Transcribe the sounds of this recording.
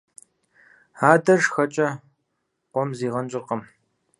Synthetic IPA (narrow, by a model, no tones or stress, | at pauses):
aːdɐrʂxɐt͡ʃʼɐ | qʷɔmziːʁɐnt͡ʃʼɪqɐm